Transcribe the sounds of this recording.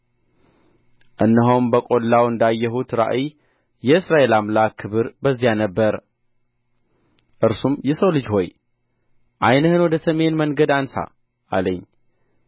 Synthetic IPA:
ʔɨnːəɦombəkʼo̞lːawɨnd̪ajːɛɦut̪ɾa̰ʔi | jɛɨsɾaʔe̞lamlakʰːɨβɨɾbəzːijanəbːəɾ | ʔɨɾsumjɛsəwlɨd͡ʒho̞j | ʔajnəhɨnwɔd̪əsəme̞nməŋɡəd̪ansa̰ | ʔa̰ləɲː

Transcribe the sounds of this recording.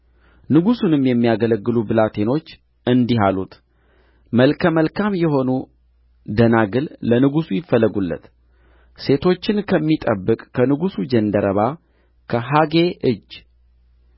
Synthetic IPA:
nɨɡusunɨmjɛmːijaɡələɡːɨlubɨlat̪ʰe̞no̞t͡ʃː | ɨnd̪iɦalut̪ | məlkʰəməlkʰamjɛɦo̞nu | d̪ənaɡɨllənɨɡusujɪfːəlːəɡulːə̰t̪ | se̞t̪ʰo̞t͡ʃːɪnkʰəmːit̪ʼəbːɨkʼːʰənɨɡusud͡ʒɛnd̪əɾəβa | kʰəɦaɡe̞ʔɨd͡ʒ

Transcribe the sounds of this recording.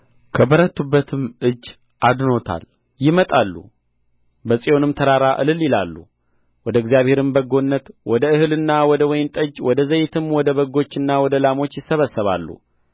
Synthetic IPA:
kʰəbəɾət̪ʰːubːət̪ʰɨmɨd͡ʒː | ʔad̪no̞t̪ʰa̰l | jɪmət̪ʼalːṵ | bəsʼijo̞nɨmt̪ʰəɾaɾaʔɨ̰lɨlːilalːṵ | wɔd̪əɨɡzijaβhe̞ɾɨmbəɡo̞nːət̪wɔd̪əɨhɨlɨnːawɔd̪əwɔjɪnt̪ʼəd͡ʒwɔd̪əzəjɪt̪ʰɨmwɔd̪əβəɡo̞t͡ʃːɨnːawɔd̪əlamo̞t͡ʃːjɪsːəβəsːəβa̰lːṵ

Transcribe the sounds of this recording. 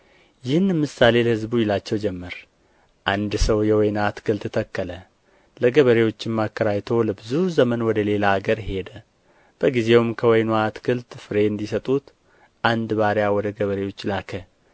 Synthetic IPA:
jɪhnmɨsale̞ləhɨzbujɪlat͡ʃːɛwd͡ʒɛmːəɾ | ʔand̪səwjɛwɔjnat̪kʰɨlt̪ɨt̪ʰəkːələ | ləɡəβəɾewo̞t͡ʃːɪmmːakːəɾajt̪ʰo̞ləbɨzuzəmənwɔd̪əle̞laːɡəɾhe̞d̪ə | b̥əɡize̞wumkʰəwɔjnwat̪kʰɨlt̪fɨɾe̞nd̪isət̪ʼut̪ | ʔand̪baɾjawɔd̪əɡəβəɾewo̞t͡ʃːlakʰə

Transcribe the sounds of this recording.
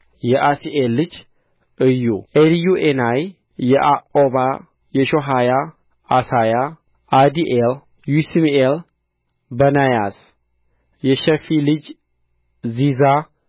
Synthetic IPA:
jɛʔasiʔelːɨd͡ʒ | ʔɨjːuʔeljuʔenajː | ɛʔaʔʼoβa | jɛʃoɦaja | asaja | ad̪iʔel | jusmiel | bənajas | jɛʃɛfilɨd͡ʒ | ziza

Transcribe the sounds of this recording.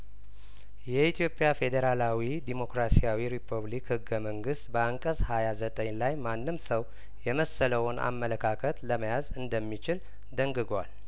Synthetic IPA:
jɛit̪ʰjo̞pʼːjafe̞d̪əɾalawid̪imo̞kɾasijawiɾipʰuβlikhɨɡːəməŋɡɨst̪bəaŋkʼəshajazət̪ʼəɲlajmanːɨmsəw | jɛməsːələwnʔa̰mːələkʰakʰət̪ləməjazɨnd̪əmːit͡ʃɪl | d̪əŋɡɨɡwa̰l

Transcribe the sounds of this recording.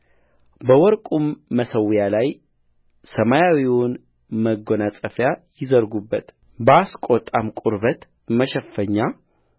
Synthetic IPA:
bəwɔɾkʼumːəsəwjalaj | səmajawiwʊn | məɡːonat͡sʼəfjajɪzəɾɡubːət̪ | bəaskʼot̪ʼːamkʼuɾβət̪ | məʃɛfːəɲːa

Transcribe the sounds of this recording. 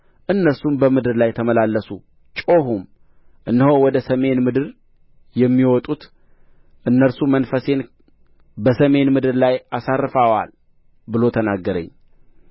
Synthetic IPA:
ʔɨnːəɾsumbəmɨd̪ɨɾlajt̪ʰəməlalːəsu | t͡ʃʼo̞ɦum | ʔɨnːhowɔd̪əsəme̞nmɨd̪ɨɾ | jɛmːiwɔt̪ʼut̪ | ʔɨnːəɾsumənfəse̞n | bəsəme̞nmɨd̪ɨɾlajʔasarːɨfawa̰l | bɨlo̞t̪ʰənaɡːəɾə̰ɲː

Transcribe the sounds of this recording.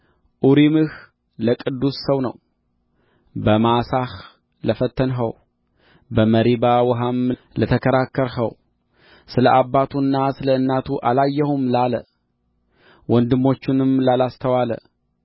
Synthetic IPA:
ʔuɾimɨh | ləkʼɨd̪ːusːəwnə̰w | bəmasah | ləfət̪ʰːənɦə̰w | bəməɾibawɔɦam | lət̪ʰəkʰəɾakːəɾhə̰w | sɨləʔabːat̪ʰunːasɨləɨnːat̪ʰuʔalajːɛhumlalə | wɔnd̪ɨmːo̞t͡ʃːɪnɨmlalast̪ʰəwalə̰

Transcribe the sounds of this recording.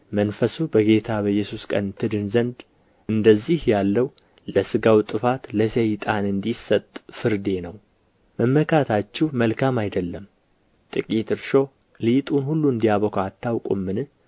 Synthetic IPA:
mənfəsubəɡe̞t̪ʰaβəjːɛsuskʼə̰nt̪ʰɨd̪ɨnzənd̪ | ɨnd̪əzːihjalːəw | ləsɨɡawt̪ʼɨfat̪ləsejt̪ʼanɨnd̪isət̪ʼːfɨɾd̪e̞nəw | məmːəkʰat̪ʰat͡ʃːɛhməlkʰamajd̪əlːəm | t̪ʼɨkʼit̪ɨɾʃo̞ | lit̪ʼunhulːuɨnd̪ijaβəkʰat̪ʰːawkʼṵmːɨnɨ

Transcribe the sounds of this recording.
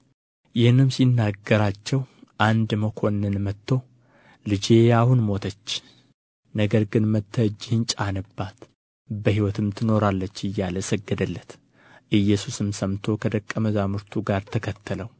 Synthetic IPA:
jɪhnːɨmsinːaɡːəɾat͡ʃːɛwʔand̪məkʰo̞nɨnmət̪ʰːo | lɨd͡ʒe̞jahunmo̞t̪ʰət͡ʃː | nəɡəɾɡɨnmət̪ʰːəd͡ʒːɪhɨnt͡ʃʼanəbːat̪ | bəhiwɔt̪ʰɨmt̪ʰɨno̞ɾalːət͡ʃːɨjːaləsəɡːəd̪əlːət̪ | ʔɨjːɛsusɨmsəmt̪ʰo̞kʰəd̪əkʼːəməzamɨɾt̪ʰuɡaɾt̪ʰəkʰət̪ʰːələw

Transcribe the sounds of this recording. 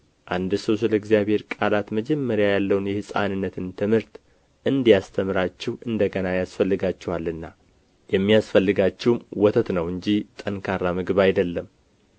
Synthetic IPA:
ʔand̪ɨsəwsɨləɡzijaβhe̞ɾkʼalat̪məd͡ʒɛmːəɾjajalːəwnjɛhɨsʼa̰nɨnːət̪ʰɨnt̪ʰɨmɨɾt̪ | ʔɨnd̪ijast̪ʰəmɨɾat͡ʃːɛhʔɨnd̪əɡənajasfəlːɨɡat͡ʃːɛhalːɨnːa | jɛmːijasfəlːɨɡat͡ʃːɛwmwɔt̪ʰət̪nəwɨɲd͡ʒit̪ʼənkʰarːamɨɡɨβajd̪əlːəm

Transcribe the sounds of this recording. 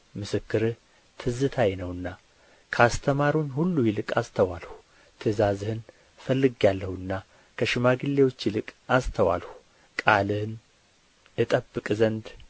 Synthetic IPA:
mɨsɨkːɨɾɨh | t̪ʰɨzɨt̪ʰajnəwɨnːa | kʰəast̪ʰəmaɾuɲːhulːujɪlɨkʼast̪ʰəwalhu̥ | t̪ʰɨzazɨhɨn | fəlːɨɡjalːəhuɨnːa | kʰəʃɨmaɡɨlːe̞wo̞t͡ʃːjɪlɨkʼast̪ʰəwa̰lhu̥ | kʼalɨhn | ɨt̪ʼəbːɨkʼzənd̪

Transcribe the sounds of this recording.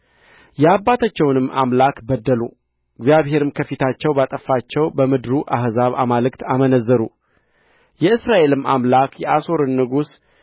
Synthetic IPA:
jɛabːat̪ʰat͡ʃːɛwnɨmːa̰mlakbəd̪ːəlu | ɨɡzjaβhe̞ɾɨmkʰəfit̪ʰat͡ʃːɛwbat̪ʼəfat͡ʃːɛwbəmɨd̪ɾuʔahzaβa̰malɨkt̪amənəzːəɾu | jɛɨsɾaʔe̞lɨmamlakjɛʔaso̞ɾɨnːɨɡus

